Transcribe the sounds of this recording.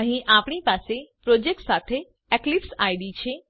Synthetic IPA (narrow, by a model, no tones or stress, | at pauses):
ɦĩʔaːpɳ̃ipaːsepɾoːd͡ʒek̚ʈsaːt̪ʰe | ɛklipsaːiɖit͡ʃʰe